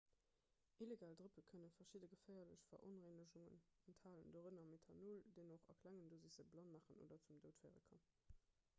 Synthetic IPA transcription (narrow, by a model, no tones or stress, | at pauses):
ʔileɡaːldʁəpəkʰənənfɐʃidəɡəfɜɪɐləɕfɐ̰ʔo̰nʁenəʒuŋə̰nɛntʰhaːləndoːʁənɑmetʰɑnuldenoχɑ̰kʰlæŋəndozisəblɑnmaːχəno̰dɐt͡sumdəʊtfəɪʁə̰kʰɑm